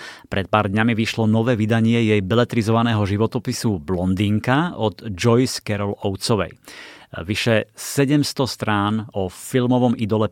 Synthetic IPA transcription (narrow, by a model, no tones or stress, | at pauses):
pɾʔɛt̪̚paːɾd̪ɲamiʋiʃlɔnɔʋɛːʋid̪aɲɪɛjɛjbɛlɛt̪ɾizɔʋanɛːɦɔʒiʋɔt̪ɔpisublɔnd̪iːŋkaɔd̪d͡ʒɔjskɛɾɔlɔʊt͡sɔʋɛ̰jʋiʃɛsɛɟɛmst̪ɔst̪ɾaːnɔfilmɔʋɔmid̪ɔlɛ